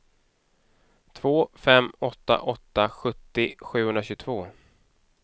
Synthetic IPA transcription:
t̪ʰv̥oːfɛmːɔt̪ːa̰ʔɔt̪ːaɧɵt̪ːɪɧʉ̟ːhɵnɾaɕɵɡt̪ʰvoː

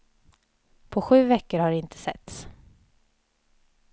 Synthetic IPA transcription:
pʰɔɧʉ̟ːvɛkːəɾhaɖɪnt̪ʰə̥sɛ̰t̪s

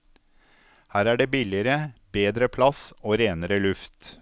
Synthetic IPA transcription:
hæːɾæːɖeːbɪlɪəɾəbeːd̪ɾəpʰlɑsoːɾeːnəɾəlʉft̪

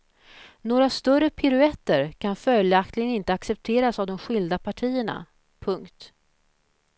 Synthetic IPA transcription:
noːɾast̪œrəpʰɪɾɵɛt̪ːəɾkʰanfœljak̚t̪lɪɡənɪnt̪əaksɛp̚t̪ʰeːɾasavd̪ɔmɧɪld̪apʰaʈʰiːəɳa̰ | pʰɵŋkt̪

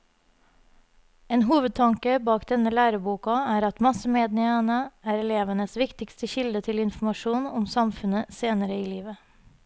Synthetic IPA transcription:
eːnɦuːʋəd̪̚t̪ʰɑŋkəbɑːkd̪ɛnəlæːɾəbuːkɑæːɾɑt̪mɑsəmeːd̪nɪŋənəæːɾɛleːʋənəsʋɪkt̪ɪkst̪əçɪld̪ət̪ʰɪlɪnfmɑʂuːnɔmsɑmfʉnəseːnəɾəiːliːʋə

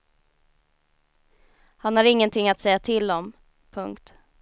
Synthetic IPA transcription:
hanhaɾɪŋːənt̪ʰɪŋːat̪sɛjːat̪ʰɪld̪ɔm | pʰɵŋkt̪

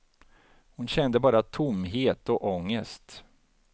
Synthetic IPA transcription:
hʊnɕɛnd̪əbɑːɾat̪ʰʊmɦeːt̪ɔʔɔŋːəst̪

